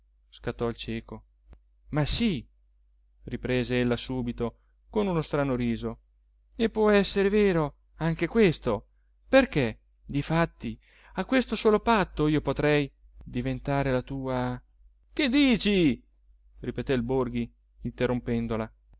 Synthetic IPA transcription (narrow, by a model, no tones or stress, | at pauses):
skat̪ːɔilt͡ʃɛːko | masi | ripɾeːzeelːasuːbit̪o | konunost̪ɾanoɾiːzo | epːwɔɛsːeɾeveːɾo | aŋk̟ekwest̪o | perke | d̪ifat̪ːi | akːwest̪osoːlopat̪ːoiːopot̪ɾɛj | d̪ivent̪aːɾelat̪uːa | ked̪ːiːt͡ʃi | ripet̪ɛilborɡi | int̪erːompɛnd̪ola